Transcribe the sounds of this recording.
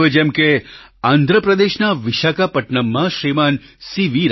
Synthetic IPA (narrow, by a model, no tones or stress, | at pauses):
ʋed͡ʒɛmke | ãnd̪ʱɾəpɾəd̪eʃnaʋɪʃakapəʈɳəmːãʃɾimansiʋiɾ